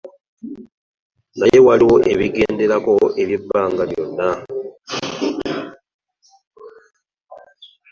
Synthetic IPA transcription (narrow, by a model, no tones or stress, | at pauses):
naje̞waliwo̞ʔe̞βiɡe̞ːnde̞ɾako̞eβibːaːŋɡaljo̰nːa